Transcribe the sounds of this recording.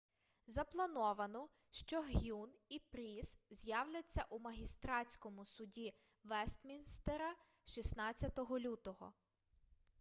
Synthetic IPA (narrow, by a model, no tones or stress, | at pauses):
zɐplˠɐnɔʋɐnɔ | ʃt͡ʃɔɦjunipɾʲiszʲjɑwlʲɐt͡sʲːɐʔumɐɦʲist̪ɾɑt͡sʲkɔmʊsʊdʲi | ʋɛst̪mʲinst̪eɾɐ | ʃisnɑt͡sʲːɐt̪ɔɦɔlʲut̪ɔɦɔ̰